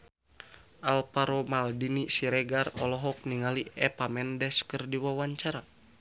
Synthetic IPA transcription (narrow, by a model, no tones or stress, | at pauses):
ʔalpaɾomaldinisiɾɛɡarɔlɔɦɔk̚niŋaliʔɛpamɛndɛskərdiwawaɲt͡ʃaɾa